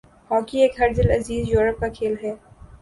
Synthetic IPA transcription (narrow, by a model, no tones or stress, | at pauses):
hɔːkieːkɦɐɾd̪ɪlɐziːzjoːɾəp̚kakʰeːlɦɛː